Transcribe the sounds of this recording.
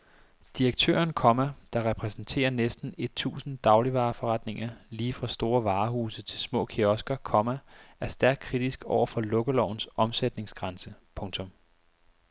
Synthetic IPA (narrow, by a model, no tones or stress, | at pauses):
d̥iʁɐɡ̥t͡sʰø̰ːɐnkʰɒ̽mæd̥ɑ̈ʁɛpʰʁɛsn̩t͡sʰe̝̰ːɐnesd̥n̩e̝d̥̚t͡sʰṵːsn̩d̥ɑ̈ʊliʋɑ̈ːfɒʁɑd̥ne̝ŋɐliːfʁɑ̈sd̥o̝ːɐʋɑ̈ːhuːsət͡sʰe̝lsmɔ̰̽ːkʰiɒ̽sɡ̥ɐkʰɒ̽mæʔæɐsd̥æɐɡ̥̚kʰʁid̥isɡ̥ɒʊ̰ɐfɒ̽lɔ̽ɡ̥əlɒʊ̰n̩sɒ̽msed̥ne̝ŋsɡ̥ʁɑ̈nsəpʰɔ̽ŋt͡sʰɔ̽m